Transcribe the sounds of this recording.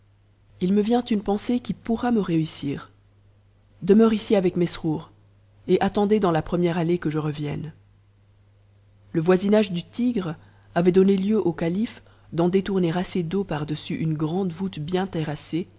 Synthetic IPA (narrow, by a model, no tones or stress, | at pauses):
ilməvjɛ̃t̪ynpɑ̃sekʲipuʁaməʁeysiːʁ | d̪əmœʁisiavɛkmɛsχuʁ | eʔat̪ɑ̃d̪ed̪ɑ̃lapχəmjɛʁalekəʒəʁəvjɛ̰n | ləvwazinaʒd̪yt̪iɡʁ | avɛd̪ɔneljøʔokalif | d̪ɑ̃d̪et̪uʁneʁased̪opaʁd̪əsyʔynɡʁɑ̃d̪vut̪bjɛ̃t̪eʁase